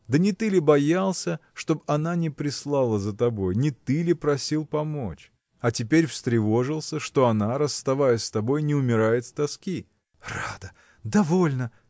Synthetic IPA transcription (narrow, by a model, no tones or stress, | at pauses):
d̪ənʲɪt̪ɨlʲɪbɐjalˠsʲəʂt̪o̞bɐnanʲɪpɾʲɪslˠalˠəzət̪ɐbo̞jnʲɪt̪ɨlʲɪpɾɐsʲilˠpɐmo̞̰t͡ɕ | ɐtʲɪpʲeɾʲfst̪ɾʲɪvo̞ʐɨlˠsʲəʂt̪o̞ɐnaɾəst̪ɐvajəst̪ɐbo̞jnʲɪʊmʲɪɾajɪt̪st̪ɐskʲi | rad̪ə | d̪ɐvo̞lʲnə